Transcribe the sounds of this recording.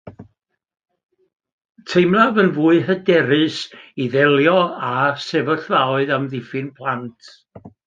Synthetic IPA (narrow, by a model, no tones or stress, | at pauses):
tʰejmlavənvuːɨɦədɛɾɨsiðɛlˠjɔasɛvəɬvawɨðamðɪfɨnpʰlˠantʰ